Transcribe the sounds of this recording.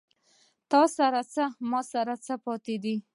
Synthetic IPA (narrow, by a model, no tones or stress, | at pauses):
t̪ɑsaɾat͡səmɑsaɾat͡səpɑt̪ed̪i